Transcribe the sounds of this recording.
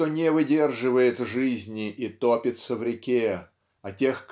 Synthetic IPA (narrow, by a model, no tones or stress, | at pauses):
onʲɪvɨdʲe̞rʐɨvəjɪt̪ʐɨzʲnʲɪʔit̪opʲɪt̪səvɾʲɪkʲe | ɐtʲe̞xk